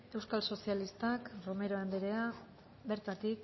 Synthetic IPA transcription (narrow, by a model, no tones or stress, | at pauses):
e̞wskalso̞sialist̪akrome̞ɾo̞end̪eɾe̞a | be̞ɾt̪at̪ik